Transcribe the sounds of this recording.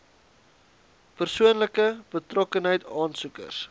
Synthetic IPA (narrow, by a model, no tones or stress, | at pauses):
pərsuənləkəb̥ətrɔkənɦəjtɑːnsukə̰rs